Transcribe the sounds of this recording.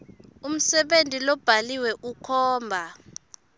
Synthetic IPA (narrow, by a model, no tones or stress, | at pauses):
um̩sɛɓentʼilɔb̥ʱaliwɛʔukʰɔːmbʱa